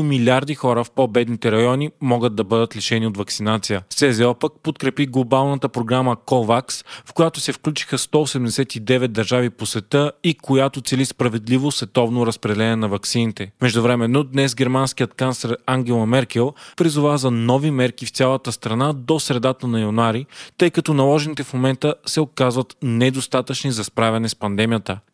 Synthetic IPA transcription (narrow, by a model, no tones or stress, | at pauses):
milʲaɾd̪ixɔɾəfpobɛd̪nit̪ɛɾɐjɔnʲimɔɡəd̪̚d̪ːɐbɤd̪ət̪liʃɛniot̪vɐksinat̪sijəsɛzɛɔpək̚pot̪kɾɛpiɡlˠobalˠnət̪əpɾoɡɾaməkɔvaksfkojat̪osɛfklʲut͡ʃi̥xəst̪ɔosɛd̪ɛmd̪ɛsɛt̪id̪ɛvɛt̪̚d̪ɐɾʒaviposvɛt̪əikojat̪ot̪sɛlispɾɐvɛd̪livosvɛt̪ɔvnoɾɐspɾɛd̪ɛlɛnɛnɐvɐksinit̪ɛmɛʒd̪ʊvɾɛmɛnːod̪nɛsɡɛɾmansk̟ijət̪kanslʲɛɾaŋɡɛlˠɐmɛɾkɛlˠpɾizʊvazɐnɔvimɛɾkift̪sʲjalˠət̪əst̪ɾɐnad̪osɾɛd̪at̪ənɐjɐnuaɾit̪ɤjkɐt̪ɔnɐlˠɔʒɛnit̪ɛfmomɛnt̪əsɛokazvɐt̪nɛd̪ost̪at̪ət͡ʃnizɐspɾavʲɛnɛspɐnd̪ɛmijət̪ə